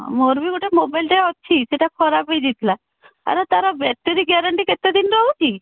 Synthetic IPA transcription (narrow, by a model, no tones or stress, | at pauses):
moɾbikoʈemobajlʈeɔt̪ːt͡ʃʰiseʈakʰɔɾabejd͡ʒit̪la | a̰ɾat̪aɾabɛʈeɾiɡɛɾəɳʈiket̪ːed̪inɾɔɦut͡ʃʰi